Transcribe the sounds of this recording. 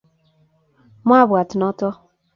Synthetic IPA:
m˦a˦bwa˨tɪ˨nɔ˦tɔ˦

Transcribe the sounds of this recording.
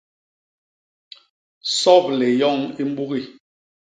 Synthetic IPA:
sɔ˦˨p̚le˨jɔ˦˨ŋi˦m̩˦bu˦ɣi˦

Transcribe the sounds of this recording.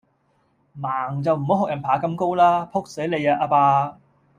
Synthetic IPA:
maː˨˩ŋt͡sɐ˨wm̩˨˩ho˨˥wɦɔː˨k̚jɐ˨˩npʰaː˨˩kɐ˧mko˥wlaː˥pʰʊ˥k̚se˨˥le˨˧jaː˧ʔaː˧paː˧

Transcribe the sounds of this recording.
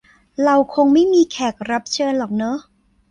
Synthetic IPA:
ɾa˧wkʰo˧ŋma˥˩jmiː˧kʰɛː˨˩k̚ɾa˦˥p̚t͡ɕʰɤː˧nlɔː˨˩k̚nɤ˦˥

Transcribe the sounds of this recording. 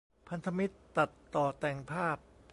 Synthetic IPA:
pʰa˧nt̪ʰa˧mi˦˥t̪ːa˨˩t̪ːɔː˨˩t̪ɛː˨˩ŋpʰaː˥˩p̚

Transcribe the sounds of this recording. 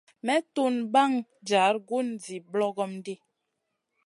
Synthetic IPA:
mɛ˦tu˦nba˦˨ŋ | d͡ʒa˨˦ɾɡu˦n˨d͡zi˨blɔ˦ɡɔ˦m˦de˦

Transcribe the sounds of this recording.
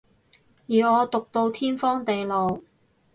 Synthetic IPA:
jiː˨˧ɔː˨˧t̪ʊ˨k̚t̪o˧wt̪ʰiː˥nfɔː˥ŋt̪e˨jlo˨w

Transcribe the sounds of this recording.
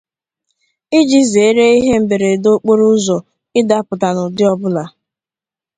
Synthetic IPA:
i˦d͡ʒi˦ze˨˦ɾe˦i˦ɦe˦m̩˦be˨ɾe˨do˦k͡po˦ɾu˦zɔ˨ | ɪ˦da˦pʊ˨ta˨nʊ˨dɪ˦ɔ˦bʊ˦la˨

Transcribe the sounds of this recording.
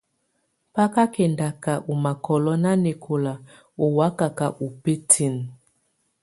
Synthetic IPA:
pa˦ka˦kɛ˨nda˨ka˨ʔu˨ma˨kɔ˨lɔ˦na˦ne˨kʰo˨la˨ | o˨wa˨˦ka˨ka˨ʔu˨pe˦tʰi˦˨n˨

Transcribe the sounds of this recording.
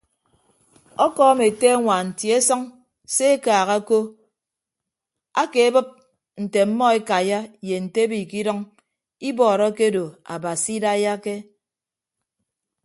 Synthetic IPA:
ɔ˦kɔː˦me˨te˦a˦ŋʷa˨n̩˨ti˨˦e˦sɔ˦ŋ | se˦e˦kaː˨ɣa˦ko˦ | a˦ke˨e˦bɨ˦p̚ | n̩˨te˨m̩˦mɔ˦e˦ka˨ja˦je˨n̩˨te˦biː˨ki˦dɔ˦ŋ | i˦bɔː˨ɾɔ˦ke˦do˨a̰˨ba˨si˦da˦ja˦ke˦

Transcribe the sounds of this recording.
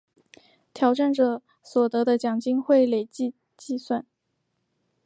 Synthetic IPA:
t̪ʰjɑ˨˧˥ʊʈ͡ʂa˥˩nʈ͡ʂɤ˨˩ | swɔ˨˩t̪ɤ˧˥d̪ə˧t͡ɕjɑ˨˩ŋt͡ɕi˥ŋxwe˥˩ɪle˨˩ɪt͡ɕi˥˧ | t͡ɕi˥˧swa˥˩n

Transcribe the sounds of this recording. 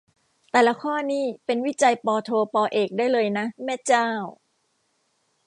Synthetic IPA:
t̪ɛː˨˩la˦˥kʰɔː˥˩niː˥˩pe˧nwi˦˥˩t͡ɕa˧jpɔː˧t̪ʰoː˧pɔː˧ʔeː˨˩k̚daː˥˩jlɤː˧jna˦˥mɛː˥˩t͡ɕaː˥˩w

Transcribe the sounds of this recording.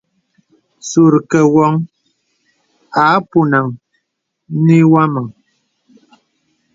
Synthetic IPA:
su˨ɾkɛ˨wɔ˨˦ŋ | a˨˦pu˦na˨ŋ˦ | ni˦wa˦ma˨ŋ

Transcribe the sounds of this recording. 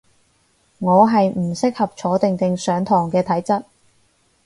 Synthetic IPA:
ŋɔː˨˧ɦɐ˨jm̩˨˩sɪ˥k̚hɐ˨p̚t͡ʃʰɔː˨˥t̪ɪ˨ŋt̪ɪ˨ŋsœː˨˧ŋt̪ʰɔː˨˩ŋkɛː˧t̪ʰɐ˨˥jt͡sɐ˥t̚

